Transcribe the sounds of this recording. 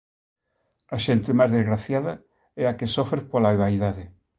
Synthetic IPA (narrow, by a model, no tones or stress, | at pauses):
aʃent̪emazðezɣɾaθjaða | ɛakesofɾepolaeβaiðaðe